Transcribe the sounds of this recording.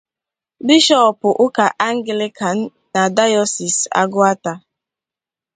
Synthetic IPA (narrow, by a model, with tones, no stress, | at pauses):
bi˦ʃɔ˦˨pʊ˨ʔʊ˦ka˨ʔa˦ŋ̩˦ɡɪ˨lɪ˦kʰa˨n̩ː˦a˨da˦jɔ˦si˨sa̰˦ɡʊ˦a˦ta˦